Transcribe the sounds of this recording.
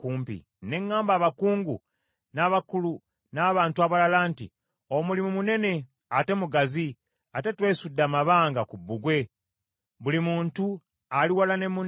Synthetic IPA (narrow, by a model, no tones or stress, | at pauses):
kuːmpḭ | ne̞ŋːaːmbaːβakuːŋɡṵ | naːβakulu | naːβaːntuaβalalaːntḭ | o̞mulimumune̞ne̞ | ate̞muɡazi | ate̞twe̞ːsudːamaβaːŋɡakubːuɡwe̞ | βulimuːntu | aliwalane̞mu